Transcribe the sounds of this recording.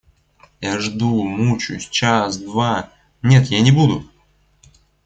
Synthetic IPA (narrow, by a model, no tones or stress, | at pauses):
jaʐd̪umut͡ɕʊ̰sʲt͡ɕasd̪va | nʲe̞t̪janʲɪbud̪ʊ